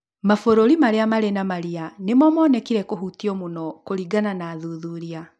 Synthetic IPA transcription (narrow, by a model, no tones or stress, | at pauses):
mafoɾoɾimaɾeamaɾenamaɾianemɔmɔːnɛkiɾɛkoɦutiɔmunɔkoɾiɡananaːðuðuɾia